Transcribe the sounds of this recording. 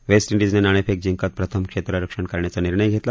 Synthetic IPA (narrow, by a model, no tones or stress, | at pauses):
ʋesʈiɳɖid͡znenaɽ̃epʰek̚d͡ʑiŋkət̪̚pɾət̪ʰəmkʂet̪ɾəɾəkʂəɳkaɾɳjat͡səniɾɳəjɡʱet̪la